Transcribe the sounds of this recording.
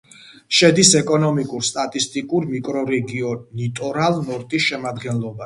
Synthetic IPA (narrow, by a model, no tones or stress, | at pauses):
ʃɛd̪isɛkʼɔnɔmikʼuɾst̪ʼat̪ʼist̪ʼikʼuɾmikʼɾɔɾɛɡiɔnit̪ʼɔɾalˠnɔɾt̪ʼisʃɛmad̪ɡɛnlˠɔba